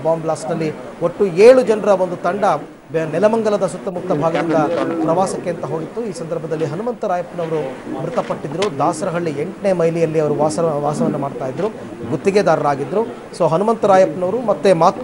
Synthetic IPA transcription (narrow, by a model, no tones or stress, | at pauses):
baːmblaːsnɐlːi | oʈːueːɭud͡ʒɐnɐɾɐʋond̪ut̪ɐɳɖɐ | bnɛlɐmɐŋɡɐlɐd̪ɐsut̪ːɐmut̪ːɐbʱaːɡɐd̪ind̪ɐpɾɐʋaːsɐkːeɐnt̪ɐɦoːɡit̪ːuiːsɐnd̪ɐɾbʱɐd̪ɐlːiɦɐnumɐnt̪ɐɾaːjɐpnɐʋɐɾumɾut̪ɐpɐʈːid̪ɾud̪ʱaːsɐɾɐɦɐɭːieɳʈne̞ːmɐjlijɐlːiɐʋɐɾuʋaːsɐʋaːsɐʋɐnːɐmaːɖt̪aːjid̪ɾu | ɡut̪ːiɡed̪aːɾɐɾaːɡid̪ɾu | so̞ːɦɐnumɐnt̪ɐɾaːjɐpnɐʋɐɾumɐt̪ːemaːt̪